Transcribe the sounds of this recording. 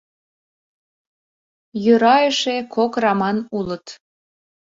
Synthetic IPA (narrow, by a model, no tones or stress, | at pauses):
jøɾɑjəʃekʰokrɑmɑnulət̪